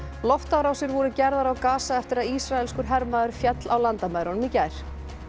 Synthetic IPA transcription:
lɔft̪awɾawsjɪɾvɔɾʏcɛɾðaɾawkaːsaɛft̪ɪɾaðisɾaɛlskʏɾ̥ɦɛɾmaðʏɾ̥fjɛt̪lʔawlant̪amaːjɾɔnʏmicaːjɾ̥

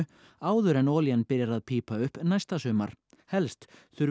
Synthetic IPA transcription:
aːwðʏɾɛnɔːljanpɪɾjaɾaðpʰiːpaʏhpnajst̪asœːma̰ɾ̥ | hɛlst̪θʏɾ

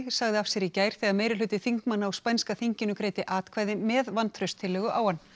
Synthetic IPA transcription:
ɣsaɣðɪafsjɛɾicaːjɾ̥θɛɣameːjɾɪlʏːt̪ɪθiŋkmanːaːwspɛnskaθiɲcɪnʏkɾeːjt̪ɪʔaːt̪kʰvaːjðɪmɛðvant̪ʰɾœɥst̪ʰːɪlːɛːɣʏʔaːwhan

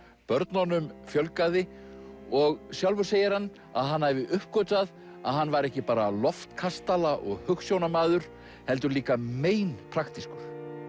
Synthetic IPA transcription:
pœɾt̪nɔnʏmfjœlkaðɪ | ɔɣsjawlvʏɾ̥seːjɪɾ̥hanː | a̰ðɦanːhavɪʔʏhp̚kɔːt̪að | a̰ðɦanːvaɾɛhcɪpaːɾalɔft̪kʰast̪alaʔɔɣhʏksjownamaːðʏɾ̥ | hɛl̪t̪ʏɾliːkameːjnpʰɾaxt̪iskʏɾ̥

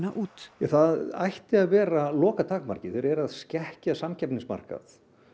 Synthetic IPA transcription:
naʔuːt̪ɛθaðajht̪ɪaðvɛːɾalɔːkat̪ʰaːkma̰ɾ̥cɪθɛɾɛɾaðscɛhcasamcʰɛpniŋsma̰r̥ka̰θ

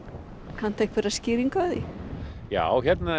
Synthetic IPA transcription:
kʰan̥t̪ejhk̪fɪɾascɪːɾiŋkœðija̰ːwçɛt̪na

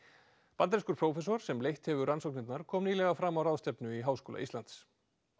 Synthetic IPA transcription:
pant̪ɾeskʏɾ̥pʰɾowfɛs̬ɔɾ̥sɛmlejht̪hɛvʏransɔknɪt̪naɾ̥kʰɔːmniːlɛɣafɾaːmawraðst̪ɛpnʏiɦaːwskoːla̰ist̪lant̪s

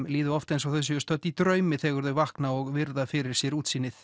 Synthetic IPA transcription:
mliːðʏɔft̪ejnsawθɛs̬ːʏst̪œt̪ːit̪ɾœːɥmɪθɛːɣʏɾðʏvahknaɔɣvɪɾðafɪɾɪɾ̥sjɛɾuːt̪siːnːɪθ

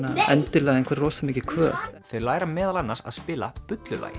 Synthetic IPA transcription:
naɛnt̪ɪlɛɣaejŋkvɛɾrɔwsmɪːcɪkʰvœ̰ːθθœɥlaːjɾamɛːðalanːaɾsa̰ðspɪːla̰pʏt̪lʏla̰ːjɪ

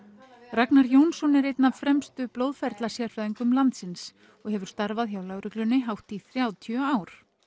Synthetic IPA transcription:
raknaɾjownsɔnɪɾejt̪nafɾɛmst̪ʏplowðfɛɾt̪lasjɛɾ̥fɾɛːðiŋkʏmlant̪sɪns | ɔɣhɛvʏɾ̥st̪aɾvaðçjawlaɣɾʏklʏnːɪɦawht̪iθɾjaːwt̪ʰœaːwɾ̥

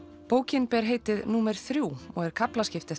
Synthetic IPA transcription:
poːwcɪnpɛɾ̥ɦeːjt̪ɪðnuːmɛɾ̥θɾjuːɔɣɛɾ̥kʰaplascɪft̪ɪ

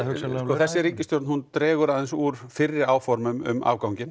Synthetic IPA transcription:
sɔθɛsːɪɾiːcɪst̪jowɾt̪nhunt̪ɾɛːɣʏɾaðɛnsuːɾ̥fɪrːɪɾaːwfɔɾmʏmʏ̰ma̰ːwkawɲcɪn

